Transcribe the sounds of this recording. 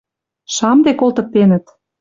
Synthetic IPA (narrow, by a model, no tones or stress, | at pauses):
ʃɑmd̪ekolt̪ɤ̆k̚t̪ːenə̆t̪